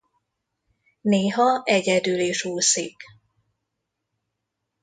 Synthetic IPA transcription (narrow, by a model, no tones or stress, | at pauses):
neːɦɒɛɟɛd̪yleːʃuːsiːk